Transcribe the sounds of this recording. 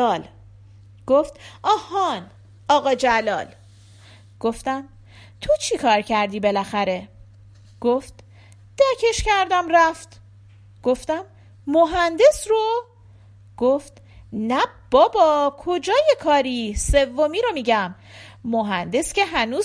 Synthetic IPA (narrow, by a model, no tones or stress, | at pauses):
l | ɡ̥oft̪ʔɒhɒn | ɒːɣɒːd͡ʒælɒ̰ːl | ɡ̥oft̪æm | t̪ʰot͡ʃʰikʰɒːɾcʰæɾd̪iːbe̞læxæɾe̞ | ɡ̥oft̪ | d̪̥æcʰe̞ʃcæɾd̪æmræft̪ | ɡ̥o̞ft̪æm | moɦænd̪e̞sro | ɡ̥oft̪ | næb̥ɒːbɒkʰo̞d͡ʒɒːjekʰɒːɾise̞vːomiːɾo̞miːɟæmː | oɦænd̪e̞sce̞ɦænuːz